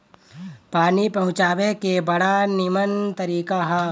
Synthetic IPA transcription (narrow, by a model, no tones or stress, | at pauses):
paːnipɐɦʊ̃t͡ʃaːʋekebɐɽanɪmənt̪ɐɾiːkaɦɛ